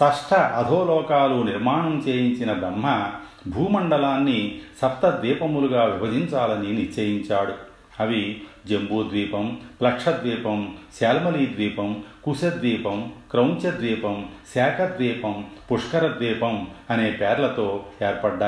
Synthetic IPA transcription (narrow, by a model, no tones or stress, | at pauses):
sɐʂʈʰɐʔɐd̪ʱoːlɔːkaːluniɾmaːɳɐmt͡ʃeːjiɲt͡ʃinɐbɾɐmːɐ | bʱuːmɐɳɖɐlaːnːisɐt̪ːɐd̪ʋiːpɐmuluɡaːʋibʱɐd͡ʒiɲt͡ʃaːlɐniniɾt͡ʃːɐjiɲt͡ʃaːɽu | ɐʋi | d͡ʒembuːd̪ʋiːpɐmplɐkʂɐd̪ʋiːpɐmsɛːlmɐliːd̪ʋiːpɐmkusɐd̪ʋiːpɐmkɾɐwɲt͡ʃɐd̪ʋiːpɐmsɛːkʰɐd̪ʋiːpɐmpuʂkɐɾɐd̪ʋiːpɐmɐne̞ːpɛːɾlɐt̪o̞ːeːɾpɐɖːaː